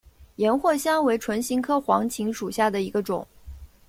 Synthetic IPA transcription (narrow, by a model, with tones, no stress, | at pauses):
jɛ˧˥nxwɔ˥˩ɕjɑ˥ŋwe˧˥ɪʈ͡ʂʰwə˧˥nɕi˧˥ŋkʰɤ˥xwɑ˧˥ŋt͡ɕʰi˧˥ŋʂu˨˩ɕja˥˩d̪ə˩i˧˥ɡə˧ʈ͡ʂʊ̰˨˩˦ŋ